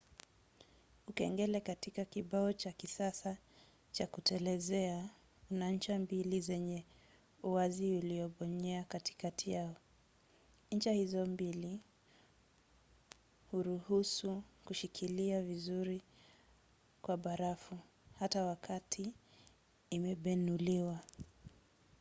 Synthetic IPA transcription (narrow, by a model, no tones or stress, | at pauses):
ukɛŋɡɛlɛkatikakiɓaɔt͡ʃakisasa | t͡ʃakutɛlɛzɛa | unaɲ̩t͡ʃambilizɛɲɛ | uwaziuliɔɓɔɲɛakati̥katʰijaɔ | ɲ̩t͡ʃahizɔmbili | huɾuhusukuʃikʰiliavizuɾi | kwaɓaɾafu | hatawakʰatʰiː | mɛɓɛnuliwa